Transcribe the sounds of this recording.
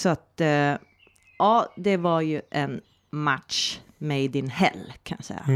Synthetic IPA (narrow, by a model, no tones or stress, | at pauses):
sɔat̪ | ʔɑːd̪ɛvaɾjɵʔɛn | mat̪ʂmɛd̪ɪnhɛ̰lːkʰanjasɛ̰jːa̰